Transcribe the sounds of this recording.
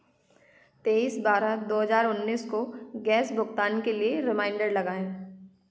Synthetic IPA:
t̪eːiːsbaːɾad̪oːɦɐzaːɾʊnːiːskoɡɛːsbʱʊkt̪aːnkelieɾɪmãːɪ̃ɳɖəɽlɐɡaːẽː

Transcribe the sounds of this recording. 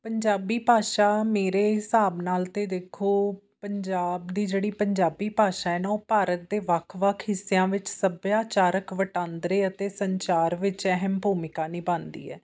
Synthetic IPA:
pəɲd͡ʒaːbiːpaːʃaːmeːɾeːɦɪsaːbnaːlt̪eːd̪eːkʰoː | pəɲd͡ʒaːbd̪iːd͡ʒeːɽiːpəɲd͡ʒaːbiːpaːʃaːɛːnaːoːpaːɾət̪̚d̪eːʋəkʰʋəkʰɦɪsːejãːʋɪt͡ʃsəbjaːt͡ʃaːɾəkʋəʈãːnd̪ɾeːət̪eːsəɲt͡ʃaːɾʋɪt͡ʃɛɦəmbʱuːmɪkaːniːbãːnd̪ḭːɛ̰ː

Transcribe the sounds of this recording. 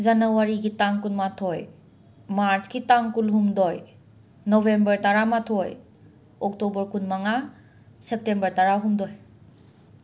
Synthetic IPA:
zanawaɾiɡitaŋkunmatʰɔj | maɾt͡ʃɡitaŋkulɦumdɔj | nɔbembəɾtaɾamatʰɔj | ɔk̚tɔbəɾkunmaŋa | sep̚tembəɾtaɾaɦumdɔj

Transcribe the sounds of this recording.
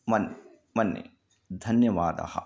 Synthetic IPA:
mɐn | mɐnːḛ | d̪ʱɐnjɐʋaːd̪ɐ̰hɐ̰

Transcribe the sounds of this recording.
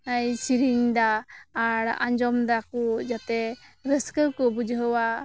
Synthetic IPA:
ajsiɾiɲd̪aː | ɽã̰ɲd͡ʒɔmd̪akud͡ʒat̪ɛɾəskəɾkɔbud͡ʒɦəwa

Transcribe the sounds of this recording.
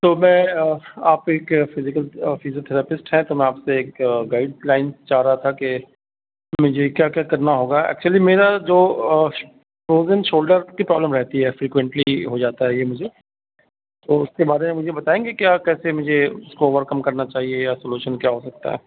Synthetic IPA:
t̪oːmɛ̃ːaːpeːkfɪzɪkəlfɪzoːt̪ʰɛːɾɛːpɪsʈɦɛ̃t̪omɛ̃aːpseːkɡaːɪɖ̚laːɪnst͡ʃaːɦɾaɦat̪ʰake | mʊd͡ʒʱekjaːkjaːkɐɾnaɦoːɡaɛ̰ːk̚t͡ʃuəlimeːɾad͡ʒoː | pɾoːzə̃nʃoːlɖəɾkipɾɔːbləmɾɛɦt̪iɦɛfɾiːkwɛ̃ɳʈliɦod͡ʒaːt̪aɦɛjemʊd͡ʒʱe | t̪oːʊskebaːɾemẽmʊd͡ʒʱebɐt̪aːẽːɡekjaːkɛːsemʊd͡ʒʱeʊskooːʋəɾkɐmkɐɾnat͡ʃaːɦiejasoːluːʃənkjaːɦosɐk̚t̪a̰ɦɛ̰ː

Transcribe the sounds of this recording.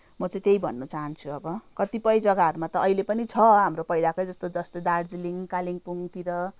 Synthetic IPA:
mʌt͡sʌ̃ĩt̪ejbʱʌ̰nːʌt͡saɦʌnt͡sʰuʌbʌkʌt̪ipʌjd͡zʌɡaʌɾumat̪ʌːilepʌnit͡sʰʌɦamropʌilakojd͡zʌst̪od͡zʌst̪ʌd̪ard͡ziliŋkaliŋpuŋt̪iɾʌ

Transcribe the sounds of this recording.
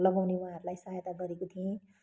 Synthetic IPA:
lʌɡawnewãɦʌɾulajsaɦjt̪aɡʌɾekot̪ʰiẽ

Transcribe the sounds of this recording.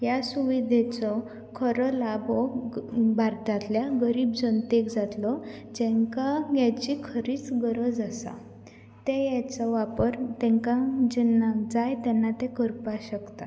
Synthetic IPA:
jasuʋid̪ʱet͡sɔ | kʰəɾɔlabɔ | baɾt̪at̪ljaɡəɾiːbd͡zənt̪ekd͡zat̪lɔd͡ʑɛ̃ŋkaɡjat͡ɕikʰəɾiːt͡sɡəɾəd͡zasa̰ | t̪ejat͡sɔʋapəɾt̪ɛ̃ŋkãd͡ʑɛnːad͡zajt̪ɛnːat̪ekəɾpaɕəkt̪a

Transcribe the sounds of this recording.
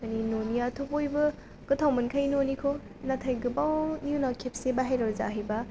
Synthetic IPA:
kaninoniɐtʰopojbɐ | ɡ̥ɯtʰawmɐnkʰajnonikʰo | natʰajɡɯbawnjunakʰep̚sebaɦajɾɔɾza̰ɦɐjbɐ

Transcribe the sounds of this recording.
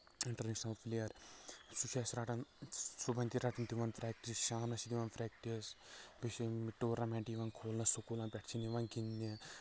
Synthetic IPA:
iɳʈɐɾneːʂnɐlpʰilijɐɾsut͡ʃʰesɾɐʈɐnsubɐnd̪iɾɐʈɐnt̪iʋɐnpʰɾɛk̚ʈisʃaːnɐsid̪iʋɐnpʰɾɛːk̚ʈisbiʃimiʈːoːɾɐmɛːɳʈiʋaŋkʰoːlnɐsukulãnpʲɛʈʰt͡ʃʰiniʋɐŋɡinːi

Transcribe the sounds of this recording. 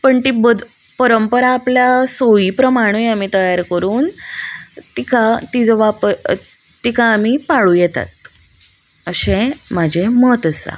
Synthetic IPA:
pəɳt̪ibəd̪ | pəɾəmpəɾaːpljasoiːpɾəmaɽ̃ojam̤it̪əjaɾkəɾuːn | t̪ikʰat̪id͡zʋapəɾ | t̪ikʰaːm̤ipaɭuːjɛt̪a̰t̪̚ | əɕẽmad͡ʑʱemət̪əsa̰

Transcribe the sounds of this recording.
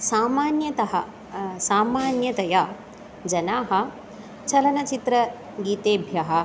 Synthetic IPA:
saːmaːnjɐt̪ɐɦɐ | saːmaːnjɐt̪ɐjaː | d͡ʒɐnaːɦɐ̆ | t͡ʃɐlɐnɐt͡ʃit̪ɾɐ | ɡiːt̪eːbʱjɐɦɐ

